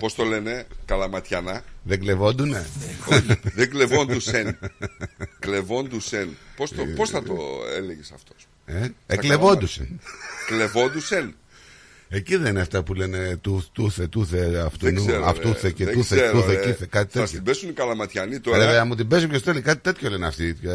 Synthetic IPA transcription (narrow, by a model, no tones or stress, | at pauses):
po̞st̪ole̞ne̞kɐlɐmɐt̪çɐnɐðeɡle̞vo̞nd̪une | ðeɡlevo̞nd̪usen | klevo̞nd̪usenposoposɐt̪o̰ḛleʝesɐft̪o̞̥s | eeklevo̞nd̪usḛnklevo̞nd̪usen | eciðenineɐft̪ɐpule̞ne̞t̪ut̪uθet̪uθeɐft̪unueɐ̰ft̪uθecet̪uθeeɾt̪uθeiθekɐt̪it̪eɐsoibesunikɐlɐmɐt̪çɐnit̪oɾeeɐmut̪ibesumçest̪elikɐt̪i̥t̪et̪ʰçoleneɐft̪it̪o